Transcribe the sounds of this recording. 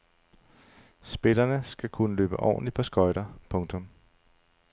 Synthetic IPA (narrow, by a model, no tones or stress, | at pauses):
sb̥e̝lɐnəsɡ̥ækʰunəlø̰ːb̥əʔɒ̰ːnlipʰɒ̽sɡ̥ɒ̽ɪɾɐpʰɔ̽ŋt͡sʰɔ̽m